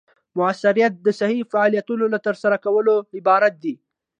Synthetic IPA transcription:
mʊasːaɾijat̪̚d̪əsahifaʕɑlijat̪unolat̪əɾsaɾakawəloɪbɑɾat̪̚d̪i

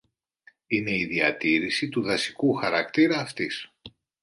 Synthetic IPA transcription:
ine̞iðiɐt̪iɾisit̪uðɐsi̥kuxɐɾɐkt̪iɾɐːft̪is

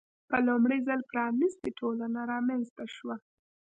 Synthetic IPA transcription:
pəlʊmɽəjzəlpɾɑnist̪eʈʰolanaɾɑmanzt̪aʃwa

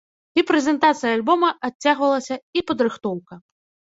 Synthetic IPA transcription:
ipɾɛzʲɛnt̪at̪sɨjɐaːlʲbɔmɐat͡sʲːaɣvɐlˠɐsʲɐipɐd̪ɾɨxt̪ɔwkɐ

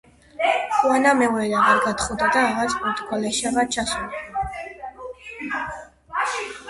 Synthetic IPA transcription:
χwanamɛuɛlaʁaɾɡat̪χud̪ad̪aːʁat̪sʰpuɾt̪ʰkʰalɛʃiaʁaɾt͡ʃʰasuld̪

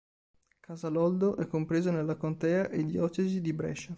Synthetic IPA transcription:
kʰazalɔld̪oʔɛkːompɾeːzonelːakont̪ɛːaʔed̪jɔːt͡ʃezid̪ibɾɛ̰ʃa

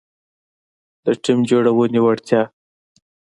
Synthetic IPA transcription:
d̪̥əʈimd͡ʒoɽawəniwaɽt̪ʰjɑ

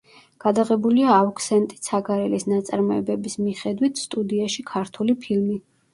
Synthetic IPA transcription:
ɡ̥ad̪aʁɛbuliaːukʰsɛnt̪ʼi̥saɡaɾɛlisnat̪sʼaɾmɔɛbɛbismiχɛd̪wit̪ʰst̪ʼud̪iaʃikʰaɾt̪ʰulipʰilmi

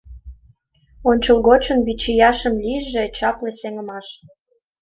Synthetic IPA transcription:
onʲt͡ɕəlɣot͡ɕə̆nβit͡ɕijɑʃə̆mlʲiʒet͡ɕɑplĕseŋə̆mɑʃ

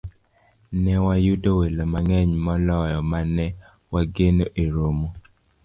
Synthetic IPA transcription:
nɛwajudowelomaŋɛɲmɔlɔjɔmanɛ | waɡenoʔeɾomo

